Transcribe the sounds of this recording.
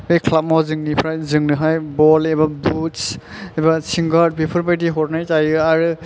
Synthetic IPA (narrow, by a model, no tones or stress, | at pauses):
bɯjkʰlap̚mɔzɯŋnipʰɾajzɯŋnɯɦajbɔlebabutsɛbasiŋɡaɾt̚pipʰɯɾpajtiɦɔɾnajtajɯaɾɯ